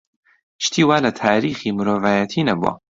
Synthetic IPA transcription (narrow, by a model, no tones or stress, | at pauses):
ʃt̪ʰiːwaːlɐt̪ʰaːɾiːχiːmɨɾoːvaːjɐt̪ʰinɐbṵɐ̰